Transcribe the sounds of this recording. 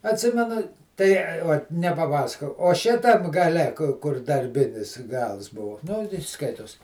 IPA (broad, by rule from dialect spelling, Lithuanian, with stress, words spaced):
ɐtʲˈsʲɪmʲɛnʊ tɐɪ ˈoːt nʲɛpɐˈpɑːsɐkoːjɛʊ oː ˈʃʲɪtɐm ɡɐˈlʲɛ kʊ kʊr dɐrʲˈbʲɪnʲɪs ˈɡɐlˠs ˈbʊʋʊ nʊ tʲɪ ˈskɐɪtoːs